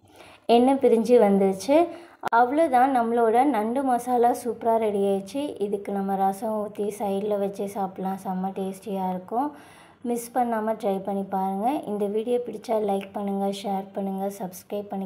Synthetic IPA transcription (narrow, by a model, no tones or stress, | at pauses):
ɛnːɐpɪɾɪɲd͡ʒiʋɐnd̪ɯɯt͡ʃːɯɐʋɐɭoːt̪ãːnɐmːɐɭoːɽɐnɐɳɖɯmɐːsaːlaːsuːpɾaːɾɛɽɪjaːt͡ʃːɯʔɪðɯkːɯnɐmːɐɾɐsɐʋuːt̪ːisɐɪɾlɐʋɐt͡ʃːɯsaːpɪʈlãːsaːmɐʈeːsʈɪjaːɪɾɯkːʊ̃ | mɪspɐɳːaːmɐʈɾɐɪpɐɳːipaːɾɯŋɡɐʔɪ̰nd̪ɐʋiːɽɪjoːpɪɽɪt͡ʃːaːlɐɪk̚pɐɳːɯŋɡɐʂeːɾpɐɳːɯŋɡɐsɐbskɾɐɪppːɐɳːɪ